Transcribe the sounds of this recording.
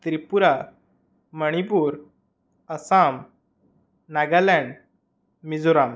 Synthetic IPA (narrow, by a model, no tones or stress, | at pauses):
t̪ɾipuɾa | məɽ̃ipuːɾ | əsam | naɡalɛ̃ɳɖ | mid͡zuɾam